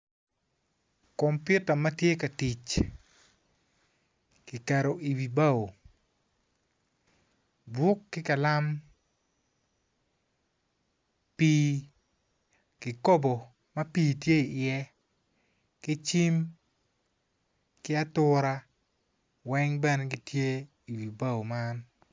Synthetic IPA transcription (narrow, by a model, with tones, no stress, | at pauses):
kɔ˨mpjʊ˦ta˨mɐ˦tje˦ka˨ti˨t͡ʃ | kɪ˨ka˨ɾo˨ʔi˨wi˨ba˦o˨ | dwʊ˦kːɪ˦ka˨la˦m | pi˦ | kɪ˨ko˦bo˨ | mɐ˦piː˦˨tje˦i˨ʔɪɛ˦ | kɪ˦t͡ʃi˦m | kɪ˦a˦tʊ˦ɾa˦ | wɛ˦ŋbɛ˦nɛ˦ɡɪ˨tje˦ | i˨wi˨ba˦o˨ma˦n